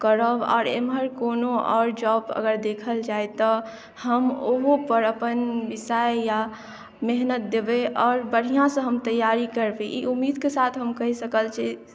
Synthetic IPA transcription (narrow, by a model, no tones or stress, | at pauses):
kəɾəbɔ̰ːɾḛmɦəɾkonoʔɔ̰ːɾd͡ʒɔbə̰ɡəɾd̪ekʰəld͡ʒaet̪ɔ | həmoɦopəɾəpənʋisajja | meɦnət̪̚d̪ebeʔɔːɾbəɽ̤ijãsə̃ɦəmt̪əjːaɾikəɾbeʔḭʔumːid̪kesat̪ʰɦəmkəɦisəkəlt͡ʃʰi